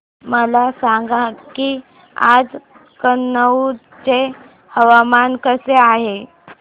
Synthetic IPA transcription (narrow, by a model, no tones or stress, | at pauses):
məlasaŋɡaki | a̰d͡z | kənːə | t͡se | həʋamankəseaɦe